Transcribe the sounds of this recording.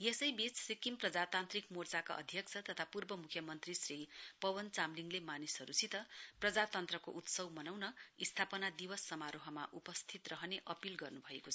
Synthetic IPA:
jesʌjbit͡ssikimprʌd͡zat̪ant̪rikmort͡saka̰ʔʌ̰d̪ʱjʌk̚t͡sʰʌt̪ʌt̪ʰapurbʌmukʰjʌmʌnt̪risripʌbʌnt͡samliŋlemanisʌɾut͡sʰit̪ʌprʌd͡zat̪ʌnt̪rʌko̰ʔut̪sʌwmʌnawnʌist̪ʰapʌnad̪ibʌsːʌmaɾoɦʌma̰ʔupʌst̪ʰit̪rʌɦʌneʔʌpilɡʌrnubʱʌekot͡sʰʌ

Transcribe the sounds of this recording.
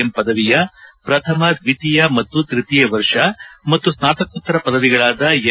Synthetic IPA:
empɐd̪ɐʋijɐpɾɐt̪ʰɐmɐd̪ʋit̪ijɐmɐt̪ːut̪ɾit̪ijɐʋɐɾʂɐmɐt̪ːusnaːt̪ɐkut̪ːɐɾɐpɐd̪ɐʋiɡɐɭaːd̪ɐj

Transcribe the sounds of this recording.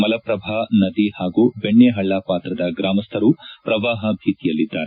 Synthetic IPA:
mɐlɐpɾɐbʱaːnɐd̪ihaːɡuːbeɳːeɦɐɭːaːpaːt̪ɾɐd̪ɐɡɾaːmɐst̪ʰɐɾupɾɐʋaːɦɐbʱiːt̪ijɐlːid̪ːaːɾe

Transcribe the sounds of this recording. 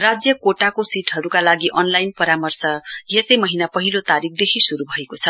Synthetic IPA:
rad͡zjʌkoʈakosiʈɦʌɾukalaɡiʔʌnlajnpʌɾamʌrsʌjesʌjmʌɦinapʌɦilot̪aɾik̚ʰd̪ekʰisuɾubʱʌekot͡sʰʌ

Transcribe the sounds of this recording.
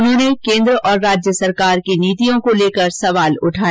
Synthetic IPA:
nɦõːnekẽːnd̪ɾəʔɔːɾːaːd͡ʒjəsɐɾkaːɾkeniːt̪ijõkoleːkəɾsɐʋaːlʊʈʰaː

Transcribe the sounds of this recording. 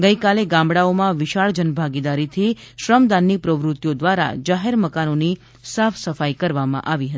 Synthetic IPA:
ɡəjkaleɡãmbɽaomãʋɪʃaɭd͡ʒənbʱaɡid̪aɾit̪ʰiʃɾəmd̪anːipɾəʋɾʊt̪jod̪ʋaɾa̰d͡ʒaɦeɾməkanoni | safʰsəfajkəɾʋamã̰ʔaʋiɦət̪i

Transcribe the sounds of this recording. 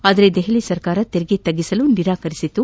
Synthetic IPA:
aːd̪ɐɾe̞d̪ɛɦelisɐɾkaːɾɐt̪eɾiɡet̪ɐɡːisɐluniɾaːkɐɾisit̪ːu

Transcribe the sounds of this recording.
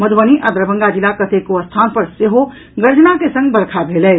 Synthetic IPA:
məd̪ʱbəniʔad̪ɾəbʱəŋɡad͡ʒilakət̪ekoəst̪ʰanpəɾseɦo | ɡəɾd͡ʒənakesə̃ŋɡ̚bəɽkʰabʱelɛɪ

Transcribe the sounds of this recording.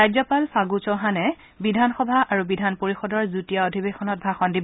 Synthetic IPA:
ajzɔpalsaɡut͡ʃɔɦanɛ | bidʱanxɔbʱaʔaɹubidʱanpoɹixɔdɔɹzutijaodʱibexɔnɔt̚bʱaxɔndib

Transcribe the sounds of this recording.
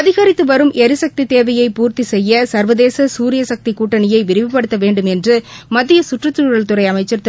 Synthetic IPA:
ɐðɪɣɐɾɪt̪ːɯʋɐɾɯmʔɛɾɯsɐk̚t̪it̪eːʋɐjɐɪpuːɾt̪isɛjːɐsɐɾʋɐðeːsɐsuːɾɪjɐsɐk̚t̪ikuːʈːɐnɪjɐɪʋɪɾɪʋɪpːɐɽɯt̪ːɐʋeːɳɖɯmɛndrɯmɐt̪ːɪjɐsʊʈrɯt̪ːɯɻɐɭt̪ɯɾɐɪɐmɐɪt͡ʃːɐɾt̪

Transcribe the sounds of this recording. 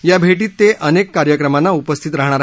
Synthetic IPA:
jabʱeʈiːt̪ːeʔənekkːaɾjəkɾəmanːaupəst̪ʰit̪ɾaɦɳ̃aɾ

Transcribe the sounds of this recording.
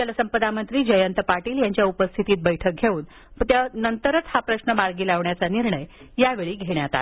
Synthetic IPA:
ələsəmpəd̪amənt̪ɾiːd͡ʑəjənt̪əpaʈiːljaɲt͡ɕjaupəst̪ʰit̪iːt̪̚bəjʈʰək̚ɡʱeuːn | t̪jnənt̪əɾət̪hapɾəɕnəmaɾɡiːlaʋɳjat͡saniɾɳəj | jaʋeɭiːɡʱeɳjat̪a̰t̪

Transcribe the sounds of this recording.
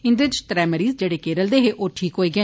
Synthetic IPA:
ɪnd̪et͡ʃt̪ɾɛːməɾiːzd͡ʒeːɽeːkeːɾəld̪eːɦeːʔoːʈʰiːkɦoːiːɡɛ̃ː

